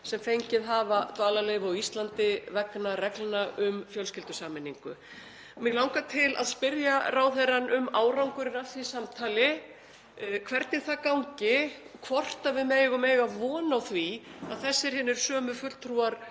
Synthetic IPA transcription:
sɛmfejɲcɪðɦaːvat̪vaːlaleːjvɔɣist̪lant̪ɪvɛknarɛklanaʔʏmfjœlscɪlt̪ʏsaːmɪnːiŋkʏ̰ | mɪɣlaw̃ŋkat̪ʰɪlʔa̰ðspɪɾjaraːwθɛrːanʔʏmaːwɾawŋkʏɾɪnafθisamt̪ʰaːlɪ | kʰvɛɾt̪nɪ̥θakawɲcɪ | kʰvɔr̥t̪avɪðmɛːjɣʏmeːjɣaðvɔːnawθvia̰ðθɛsːɪɾ̥hɛːnːɪɾ̥sœːmʏfʏlt̪ʰɾuaɾ̥

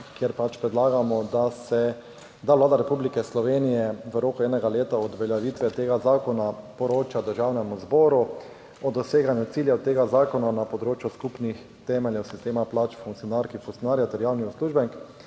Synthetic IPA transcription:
kjɛɾpat͡ʃpɾɛd̪laːɡamɔd̪asɛ | d̪aʋlaːd̪aɾɛpublikɛslɔʋeːnijɛʋəɾoːkʊɛːnɛɡaleːt̪aɔd̪ʋɛljaʋit̪ʋɛt̪eːɡazaːkɔnapɔɾoːt͡ʃad̪əɾʒawnɛmuzbɔːɾu | ɔd̪ɔseːɡanjʊt̪siljɛwt̪eːɡazaːkɔnanapɔd̪ɾoːt͡ʃjuskupnix | t̪ɛːmɛljɛwsist̪eːmaplat͡ʃfũŋktsijɔnaɾkifuŋtsjɔnaːɾjat̪ɛɾjaːwniusluːʒbɛŋk

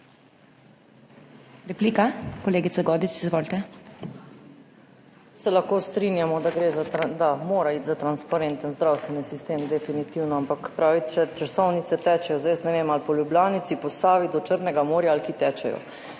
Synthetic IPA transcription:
ɾɛpliːkakɔleːɡit̪saɡɔːd̪isizʋoːlt̪ɛ | sɛlaxkoːst̪ɾinjamɔd̪aɡɾeːzad̪amoːɾaiːt̪zat̪ɾanspaɾent̪ənzd̪ɾawst̪ʋɛnisist̪eːmd̪ɛfinit̪iwnɔampakpɾaːʋit͡ʃɛt͡ʃasɔwnit̪sɛt̪ɛːt͡ʃɛjɔzaʋest̪nɛʋemalpɔljubljaːnit̪sipɔst̪aːʋid̪ɔt͡ʃəɾnɛɡamoːɾjaːlkit̪ɛːt͡ʃɛ̰jɔ̰

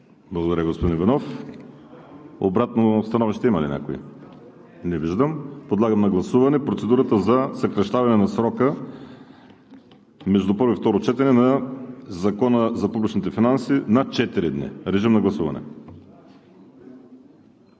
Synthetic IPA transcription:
blˠɐɣod̪ɐɾəɡospod̪invɛnɔf | obɾat̪nost̪ɐnɔviʃt̪ɛimɐlḭnʲʔa̰koḭ | nɛviʒd̪əmpod̪lˠaɡəmnɐɡlˠɐsuvɐnɛpɾot̪sɛd̪uɾət̪əzɐsɐkɾɐʃt̪avɐnɛnɐsɾɔkə | mɛʒd̪upɤɾvoift̪ɔɾot͡ʃɛt̪ɛnɛnɐzɐkɔnəzɐpublʲit͡ʃnit̪ɛfinansinɐt͡ʃɛt̪iɾid̪nḭɾɛʒimnɐɡlˠɐsuvɐ̰nɛ̰

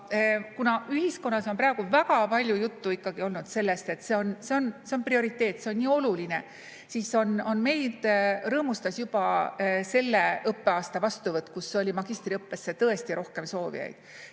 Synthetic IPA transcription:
kunɑyɦisko̞nːɑso̞npræːɡ̥uvæɡɑpɑlʲjujut̪ːuikːɑɡ̥io̞lnud̪̥se̞lːe̞st̪e̞t̪ːse̞o̞nse̞o̞nse̞onprio̞ɾit̪ːˑe̞ːt̪ːˑseonnʲiːo̞luline̞ | siso̞no̞nme̞jd̪̥rɤːmust̪ɑsjub̥ɑse̞lːe̞ɤpːe̞ɑːst̪ɑvɑst̪uvɤt̪ːˑkusːeo̞lʲimɑɡ̥ist̪riɤpːe̞sːe̞t̪ɤe̞st̪iɾo̞hke̞mso̞ːvḭjɑ̰jd̪̥

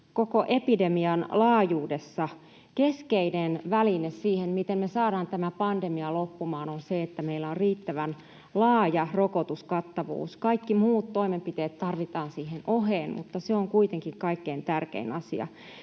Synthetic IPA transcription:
kokoʔepidemiɑnlɑːjuːdesːɑ | keskeinenʋælinessiːhenmit̪emmesɑːɾɑːnt̪æmæpɑndemiɑlopːumɑːnonseet̪ːæmeilːæorriːt̪ːæʋæn | lɑːjɑrokot̪uskɑt̪ːɑʋṵːskɑikːimuːt̪t̪oimempit̪eːt̪t̪ːɑrʋit̪ɑːnsiːhenʔoɦeːnmṵt̪ːɑseoŋkuit̪eŋkiŋkɑikːeint̪ærkḛinɑsiɑ̰

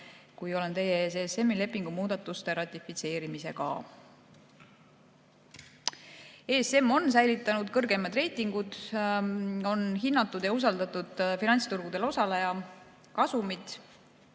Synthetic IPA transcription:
kujo̞le̞nt̪e̞jeesese̞mːile̞pːˑiŋɡ̥umuːd̪ɑt̪ːˑust̪e̞ɾɑt̪ʲːˑifit̪se̞ːɾimise̞̰kɑ̰ | eːse̞mːo̞nsæjlit̪ːˑɑnud̪̥kɤrɡe̞mːɑd̪̥re̞jt̪ˑiŋɡ̥ud̪̥ | o̞nɦinːɑt̪ːˑud̪jɑus̬ɑld̪ɑt̪ːˑud̪̥finɑnʲt̪st̪uɾɡ̥ud̪̥e̞lo̞sɑlejɑ | kɑsumid̪̥

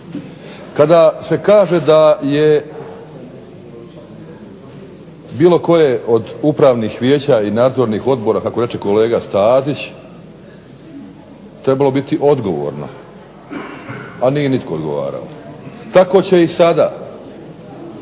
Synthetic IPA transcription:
kad̪ase̞kaːʒe̞d̪aje | biːlo̞ko̞jeʔo̞d̪upɾaːʋnixʋje̞ːt͡ɕaːinaːd̪zo̞ɾniːxo̞d̪bo̞ɾakakoɾe̞t͡ʃe̞kole̞ːɡast̪aːzit͡ɕ | t̪ɾe̞balo̞bit̪iʔo̞d̪ɡo̞ʋo̰ːɾno̰ | anijenit̪ko̞ːd̪ɡo̞ʋa̰ːɾa̰lot̪ako̞ːt͡ɕe̞isad̪a̰ː

